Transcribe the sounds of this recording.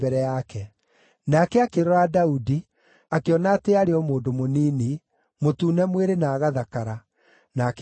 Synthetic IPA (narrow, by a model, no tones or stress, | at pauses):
bɛɾɛjakɛ | nakɛakeɾɔɾadaudi | akeɔnateaɾeɔmoːndomoniːni | motuːnɛmweɾenaːɣaðakaɾa | nak